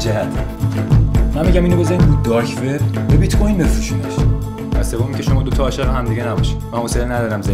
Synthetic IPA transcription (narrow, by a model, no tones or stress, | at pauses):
d͡ʒæhæt̪ʰ | mænmːiɟæmiːnobozæinbuːd̪̚d̪ɒɾkʰfeɾbebit̪kʰojĩnbesuʃuneʃ | væsevomicʰʲeʃomɒːd̪ot̪ʰɒːʃeʁeɦæmd̪iɟenæbɒʃid̪mænhoselnæd̪ɒːɾæmze